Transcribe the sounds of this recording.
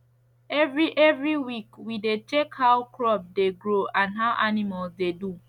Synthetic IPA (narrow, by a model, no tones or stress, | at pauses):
ɛvɹiʔɛvɹiwikwidet͡ʃekhaʊkɹɔb̚deɡɹoãnɦaʊʔanimalzdedu